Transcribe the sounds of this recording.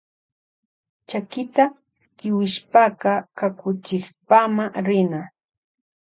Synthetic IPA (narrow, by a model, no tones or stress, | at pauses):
t͡ʃakɪt̪a | kɪwɪʃpaɢɑkakʊt͡ʃɪχpamaɾɪna